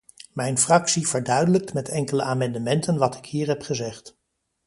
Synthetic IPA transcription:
mɛjnfrɑksiv̥əɹdœɥdələk̚tmɛtʰɛŋkələʔaːmɛndəmɛntənʋɑtɪkɦiːɹɦɛpχəzɛχt

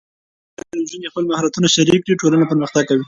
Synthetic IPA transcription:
ak̪alʒunexpəlmahaɾat̪unaʃaɾikːɽiʈolanapəɾməxt̪aɡ̚kawi

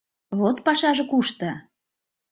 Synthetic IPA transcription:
βot̪pɑʃɑʒɤ̆kuʃt̪ə̆

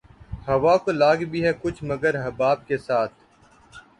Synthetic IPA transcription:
hɐʋaːkolaːɡbʱiɦɛkʊt͡ʃʰməɡəɾɦəbaːb̚kesaːt̪ʰ

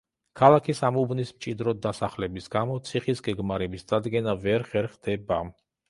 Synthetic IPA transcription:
kʰalakʰisamubnismt͡ʃʼid̪ɾɔd̪ːasaχlɛbisɡamɔt̪sʰiχisɡɛɡmaɾɛbisd̪ad̪ɡɛnavɛɾχɛɾχd̪̥ɛbam

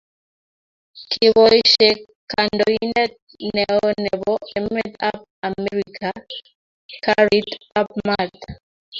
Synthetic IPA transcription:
kʰɪwɔiʃɛ | kandɔinɛt | nɛɔnɛbɔɛmɛt̪ap̚amɛɾikʰa | kaɾit̪ap̚mat̪

